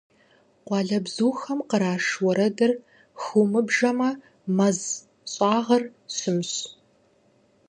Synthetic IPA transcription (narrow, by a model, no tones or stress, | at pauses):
qʷɑːɮɐbzuːxɐmqəɾaːʂwɔɾɐdɐr | xumɨbʒɐmɐ | mɐz | ɕʼɑːʁɐrɕɨmɕ